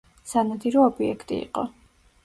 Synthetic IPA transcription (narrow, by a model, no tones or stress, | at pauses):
sanad̪iɾɔɔbiɛkʰt̪ʼḭḭqʼɔ